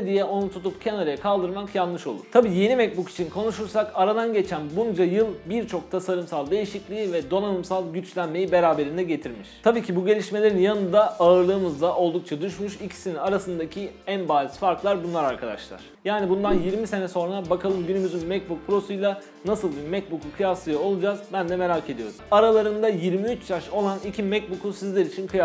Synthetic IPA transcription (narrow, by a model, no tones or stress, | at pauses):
d̪ijɛʔo̞nut̪ʰut̪ʰupcʰenaɾajakʰalˠd̪ɯɾmakjanːɯʃo̞̰lˠʊ̰t̪ʰabiːje̞nimɛc̚buki̥t͡ʃʰinkʰo̞nuʃuɾsakaɾad̪anɟe̞t͡ʃʰænbund͡ʒajɯlˠbiɾt͡ʃʰo̞k̚t̪ʰasaɾɯmsalˠd̪e̞jiʃiclʲiːvɛd̪o̞nanɯmsalˠɟyt͡ʃlʲænme̞jibe̞ɾaːbe̞ɾind̪ɛɟe̞t̪ʰiɾmiʃt̪ʰabiːcʰibuɟe̞lʲiʃme̞lʲe̞ɾinjanɯnd̪aaɯɾlˠɯːmɯzd̪aʔo̞lˠd̪uk̚t͡ʃʰad̪yʃmyʃicʰi̥sininaɾasɯnd̪acʰiænbaːlʲˠisfaɾklˠaɾbunlˠaɾaɾkʰad̪a̰ʃlˠa̰ɾ̥jaːnibund̪anjiɾmise̞nɛso̞nɾabakʰalˠɯmɟynymyzynmɛcbuk̚pʰɾo̞sujlˠa | nasɯlˠbimɛc̚bukukʰɯjafsˠɯjo̞lˠud͡ʒazbænd̪ɛme̞ɾaːcʰe̞d̪ijo̞ɾumaɾalˠaɾɯnd̪ajiɾmiyt͡ʃj̪ʰaʃo̞lˠanicʰimɛc̚bukʰusizlʲeɾit͡ʃʰinkʰɯja